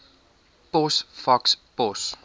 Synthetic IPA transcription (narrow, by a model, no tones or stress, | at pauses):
pɔsfakspɔs